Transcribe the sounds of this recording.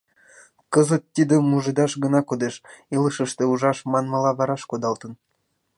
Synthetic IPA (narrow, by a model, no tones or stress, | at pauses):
kəzə̆t̪̚ːid̪ə̆muʒɤd̪ɑʃɡə̆nɑkod̪eʃilˠəʃəʃt̪ĕuʒɑʃmɑnmɑlˠɑβɑɾɑʃkod̪ɑlˠt̪ɤ̆n